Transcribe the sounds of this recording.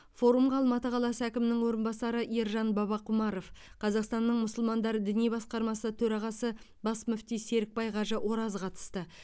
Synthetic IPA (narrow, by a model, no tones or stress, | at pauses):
fo̞ɾumʁɑːlˠmɑt̪əqʰɑlˠɑsəækʲɪmɪnɪŋwo̞ɾənbɑsɑɾəʔiɾʒɑnbɑβɑqʰʊmɑɾo̞fqʰɑzɑqst̪ɑnːəɴmʊsəlˠmɑnd̪ɑɾəd̪ɪnijbɑsqɑɾmɑsət̪ʰɵɾɑʁɑsə | bɑsmʏft̪ijse̞ɾɪk̚pɑjʁɑʒəwo̞ɾɑzqʰɑt̪ə̥st̪ə